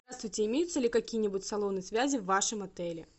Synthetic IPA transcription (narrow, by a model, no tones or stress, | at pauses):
ast̪vuɨjt͡sʲɛimʲejut̪sːɐlʲikakʲijɛnʲibut͡sʲsalˠɔwnɨjsʲvʲazʲiwːaʂɨmat̪ɛlʲɛ̰